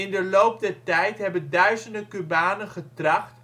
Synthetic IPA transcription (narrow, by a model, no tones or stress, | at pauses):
ɪndəlowp̚dɛɹtɛjtɦɛbəndœɥzəndəkybaːnənχətrɑχt